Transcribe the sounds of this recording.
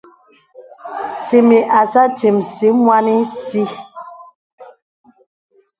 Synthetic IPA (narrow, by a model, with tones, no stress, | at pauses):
ti˨mi˨ʔa˨sa˦ti˨msi˨˦mwa˦ni˦si˦